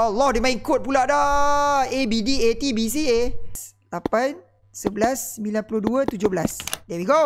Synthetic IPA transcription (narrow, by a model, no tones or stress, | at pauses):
ɔlːɔhdemãĩŋkot̪̚pulaʔdɔ | ebidiet̪ibis̬ies | lapan | səbəlasəmilanpuluduət̪ud͡ʒobəlasdɛwiɡo